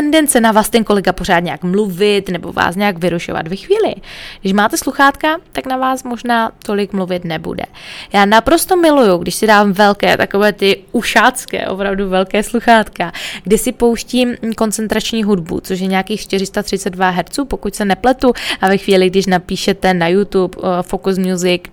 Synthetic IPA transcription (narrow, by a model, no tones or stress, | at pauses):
ɛndɛnt͡sɛnavaːst̪ɛnko̞lɛɡapo̞ɾaːt̪ɲaakmluvɪt̪nɛbo̞̰va̰ːsɲaaɡvɪɾuʃo̰va̰t̪vɛxviːlɪ̰ɡdɪʃmaːt̪ɛsluxaːt̪kat̪aknavaːsmo̞ʒnaːt̪o̞lɪkmluvɪt̪nɛbṵdɛ̰jaːnapɾo̞st̪omɪlujuɡdɪʃsɪdaːvmvɛlkɛ̰ːt̪akovɛːt̪ɪuʃaːt͡skɛ̰ːʔo̞̰pɾavduvɛlkɛːsluxaːt̪kaɡdɪsɪpo̞wʃciːmko̞nt͡sɛnt̪ɾat͡ʃɲiːɦudbṵt͡soʃ̬jɛɲaːkiːxʃt̪ɪr̝ɪst̪at̪r̥ɪt͡sɛd̚vaɦɛɾt͡suːpo̞kucsɛnɛplɛt̪uʔavɛxviːlɪɡdɪʃnapiːʃɛt̪ɛnajut̪upfokusmɲuzɪk